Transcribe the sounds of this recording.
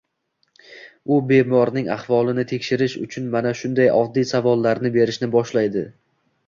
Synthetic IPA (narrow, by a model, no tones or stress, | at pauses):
ʊbe̞mɒɾnɪŋa̰hvɒlˠɪnɪt̪ʰe̞kʲʃɪɾɪʃʊ̰t͡ʃʰʊnmanaʃʊnd̪ajɒd̪ːisavɒlˠːaɾnɪbe̞ɾɪʃnɪbɒʃlajd̪ɪ